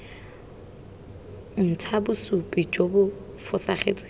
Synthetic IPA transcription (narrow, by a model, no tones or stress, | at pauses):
n̩tʰabʊsupʼid͡ʒobʊ | fʊsaχḛt͡sʼɪ̥